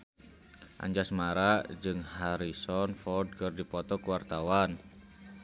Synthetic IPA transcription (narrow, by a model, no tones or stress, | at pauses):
ʔa̰ɲd͡ʒasmaɾaʔd͡ʒɨŋhaɾisɔnfɔd̚kərdipɔt̪ɔkuwart̪awan